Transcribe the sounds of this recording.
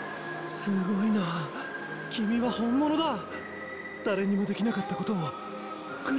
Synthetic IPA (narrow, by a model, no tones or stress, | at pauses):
sɨɡo̞ina | kʲimʲiβahõ̞mːonod̪a | d̪̥aɾe̞ɲ̟imo̞d̪e̞kʲinakat̪ːako̞t̪o̞ | kɯ